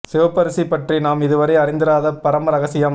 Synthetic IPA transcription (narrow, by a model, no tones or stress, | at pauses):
sɪʋɐpːɐɾɯsipɐʈrinaːmɪðɯʋɐɾɐɪɐɾɪnd̪ɯɾaːðɐpɐɾɐmɾɐɣɐsɪjɐm